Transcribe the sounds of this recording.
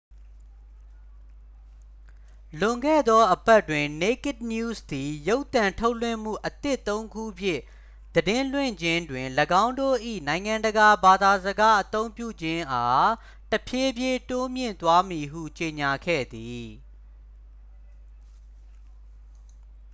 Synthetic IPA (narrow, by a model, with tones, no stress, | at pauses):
lʊ̃˨ŋɡɛ̰˦˨d̪ɔ˦ʔəbɛ˦twɪ̃˨ne˦kɪ˦t̚nju˦sd̪̥i˨jo˦ʊʔt̪ã˨ntʰo˦ʊʔl̥wɪ̰̃˦˨m̥ṵ˦˨ʔət̪ɪ˦ʔt̪ːõ˦ʊ̃ŋɡṵ˦˨pʰjɪ̰̃˦˨ | d̪̥ədɪ̃˦l̥wɪ̰̃˦˨ɲd͡ʑɪ̃˦ndwɪ̃˨ləɡã˦ʊ̃ndo̰˦˨ʔḭ˦˨nã˨ɪ̃ŋã˨ndəɡa˨ba˨d̪a˨zəɡa˦ʔət̪õ˦ʊ̃mpjṵ˦˨d͡ʑɪ̃˦ʔa˦ | təpʰje˦bje˦to˦mjɪ̰̃˦˨nt̪wa˦mi˨ɦṵ˦˨t͡ɕe˨ɲa˨ɡʰɛ̰˦˨d̪i˨